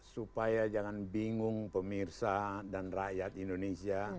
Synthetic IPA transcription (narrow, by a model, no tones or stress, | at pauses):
supajad͡ʒaŋanbiŋʊŋpəmirsadanrajat̪indonesia